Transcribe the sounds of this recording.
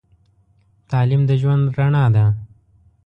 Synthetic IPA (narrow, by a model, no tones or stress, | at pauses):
t̪ɑlimd̪əʒwand̪ɾaɳɑd̪a